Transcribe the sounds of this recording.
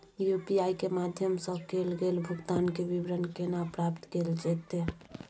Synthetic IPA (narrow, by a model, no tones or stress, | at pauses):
jupiaikemad̪ʱjəmsəbʱkelɡelbʱuɡt̪ankebibɾənkenapɾapt̪keld͡ʒɛt̪e